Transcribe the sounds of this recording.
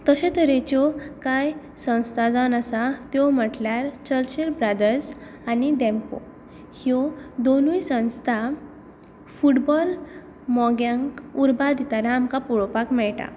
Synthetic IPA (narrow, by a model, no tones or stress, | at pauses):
t̪əɕẽt̪əɾet͡ɕɔkaj | sə̃w̃st̪ʰad͡zanasat̪jɔm̤əʈljaɾt͡ɕəlɕiɾbɾad̪əɾs | anid̪ɛmpo̰ | hiɔd̪onujsə̃w̃st̪ʰa | fuʈbɔl | mɔɡjãŋkuɾbad̪ʱit̪aɾaːmkapuɭɔpakmɛɭʈa̰